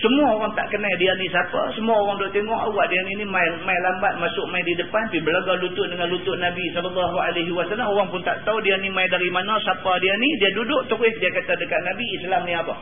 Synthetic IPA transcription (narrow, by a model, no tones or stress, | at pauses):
səmuaoɣaŋt̪a̰ʔkənajdianisapa̰səmuaoɣaŋdʊʔt̪eŋɔŋa̰waʔdianinimajmajlambat̪̚masʊʔ̚majdidəpanpibəlaɡalut̪ʊʔdəŋanlut̪ʊʔnabisɔləlːaɦualaɦiwasalːamoɣaŋpʊnt̪a̰ʔt̪audianimajdaɾimanasapadianidiadudʊʔt̪əɾɪhdiakat̪adəkaʔ̪̚nabiːslamniapa̰